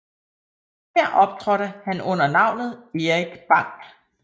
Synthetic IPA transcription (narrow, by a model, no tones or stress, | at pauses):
hæɐ̰ʔɒ̽b̥̚t͡sʰʁœɾəhænɔ̽n̰ɐnɑ̈ʊ̰nð̩ˠe̝ʁiɡ̥b̥ɑ̈ŋ̰ɡ̥